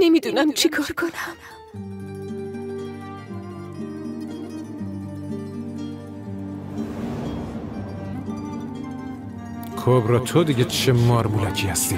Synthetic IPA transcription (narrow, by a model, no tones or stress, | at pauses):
nemid̪unæmt͡ʃʰikʰɒːɾkʰonæm | kʰobɾɒːt̪ʰod̪iɟet͡ʃʰemɒːɾmulæcʰiːhæst̪iː